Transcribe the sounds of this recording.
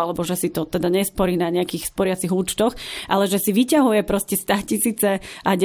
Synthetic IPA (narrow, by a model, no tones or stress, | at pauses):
alɛbɔʒɛsit̪ɔt̪ɛd̪aɲɛspɔɾiːnaɲɛakiːxspɔɾɪat͡siɣuːt͡ʃt̪ɔxʔalɛʒɛsiʋicaɦujɛpɾɔscɛst̪aːcisiːt͡sɛaɟ